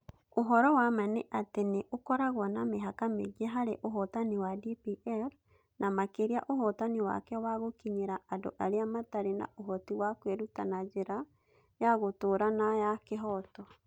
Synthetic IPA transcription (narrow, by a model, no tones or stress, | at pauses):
oɦɔɾɔwamaneʔateneʔokɔɾaɣwɔnameɦakameɣieɦaɾeʔoɦɔtaniwadipiʔɛɾ | nʔamakeɾiaʔohɔtaniwa̰kɛwaɣokiɲeɾaado̰ʔaɾeamataɾena̰ʔoɦɔtiwakweɾutanad͡ʒeɾa | jaɣotoɾanajakeɦɔtɔ